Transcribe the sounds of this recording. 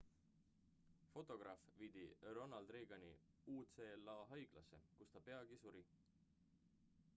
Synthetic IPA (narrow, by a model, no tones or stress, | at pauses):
fo̞t̪ːˑo̞ɡ̥rɑfviːd̪̥iro̞nɑld̪̥reːɡ̥ɑni | uːt̪seːlːɑːɦɑjɡ̥lɑ̰sːe̞̰kust̪ɑpe̞ɑɡ̥isuɾi